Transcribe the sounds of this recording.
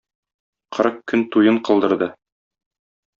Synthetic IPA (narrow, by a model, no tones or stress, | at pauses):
qʰɤ̆ɾɤqkɵnt̪ujɤɴqɤ̆lˠd̪ɤ̆ɾd̪ɤ